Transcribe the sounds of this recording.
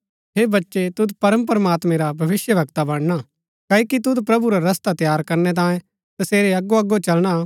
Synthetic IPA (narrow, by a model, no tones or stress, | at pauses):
ɦeːbɐtːʃet̪ʊd̪pɐɾəmpɐɾmaːt̪mẽɾabʱɐʋɪsjəbʱɐkt̪abɐɽ̃na | kɐikit̪ʊd̪pɾɐbuɾaɾɐst̪at̪jaːɾkɐɾnɛt̪̬ãːjẽ | t̪ɐseːɾeɐɡːoɐɡot͡ʃɐlɽ̃a